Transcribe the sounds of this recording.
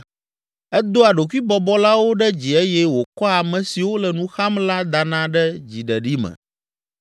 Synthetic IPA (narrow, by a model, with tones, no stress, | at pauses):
ɛ˦d̪o˦a˨ɖo˨ku˦i˦bɔ˦bɔ˦la˦wo˦ɖɛ˦d͡ʑi˨ɛ˦jɛ˦wo˨kɔ˦a˨mɛ̃˨si˨wo˦lɛ˨nũ˦xa˦mla˦d̪a˨nã˦ɖɛ˦d͡ʑi˨ɖɛ˨ɖi˦mɛ̰̃˨